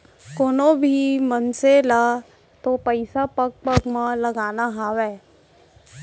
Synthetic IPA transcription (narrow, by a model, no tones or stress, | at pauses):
koːnõbʱimənselaː | t̪opəɪsapɐk̚pəkmãlɐɡaːnaɦaːwɛː